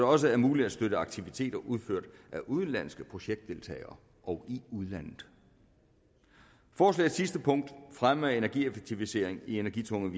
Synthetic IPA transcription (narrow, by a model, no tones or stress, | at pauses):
ɾ̥ɒ̽s̬əæɐmuːlid̥æsd̥øɾəɑ̈ɡ̥t͡sʰiʋit͡sʰe̝̰ːd̥ɐʔuð̞ˠføɐ̰d̥ʔæʔuð̞ˠn̩læn̰sɡ̥əpʰʁo̝ɕeɡ̥̚d̥e̝lt͡sʰɛ̰ːɪɐː | ʔɒʊiuð̞ˠlæn̰ð̩ˠ | fɒːslɛ̰̥ːsisd̥əpʰɔ̽ŋ̰d̥fʁame̝næɐɡ̥iefeɡ̥̚t͡sʰiʋise̝ɐ̰e̝ŋie̝næɐɡ̥ḭt͡sʰɔ̽ŋəʋi